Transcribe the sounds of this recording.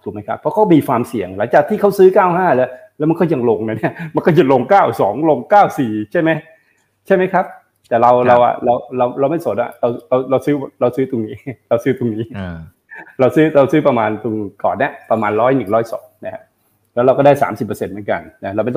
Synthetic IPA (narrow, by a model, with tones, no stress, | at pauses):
t̪ʰu˨˩k̚ma˦˥jkʰa˦˥pʰːɔ˦˥kʰa˦˥wmiː˧kʰwaː˧msi˨˩əŋla˨˩˦ŋt͡ɕaː˨˩k̚t̪ʰiː˥˩kʰa˦˥wsɯː˦˥kaː˥˩wɦaː˥˩lɛ˦˥wlɛː˦˥wma˧kɔː˥˩ja˧ŋlo˧ŋna˧˩ni˥˩ɐma˧nkɔː˥˩t͡ɕa˨˩lo˧ŋkaː˥˩wsɔː˩˦ŋlo˧ŋkaː˥˩wsiː˨˩t͡ɕʰa˥˩jma˦˥j | t͡ɕʰa˥˩jma˦˥jkʰa˦˥p̚ | t̪ɛː˨˩ɾa˧wɾa˧wʔa̰˨˩ɾa˧wɾa˧wɾa˧wma˥˩jso˨˩˦nʔa̰˨˩ɾa˧wɾa˧wɾa˧wsɯː˦˥ɾa˧wsɯː˦˥t̪o˧ŋniː˦˥ɾa˧wsɯː˦˥t̪o˧ŋniː˦˥ | ɾa˧wsɯː˦˥ɾa˧wsɯː˦˥pɾa˧maː˧nt̪u˧ŋkɔ̰ː˨˩nːa˦˥˩pɾa˧maː˧nɾɔː˦˥˩jnɯ˨˩ŋɾɔː˦˥˩jsɔ̰ː˩˦ŋna˦˥kʰa˦˥ | lɛ˦˥wɾa˧wkɔ˥˩daː˥˩jsaː˩˦msi˨˩pːə˧se˧nmɯ˩˦ka̰˧nna˦˥ɾa˧wma˥˩t̪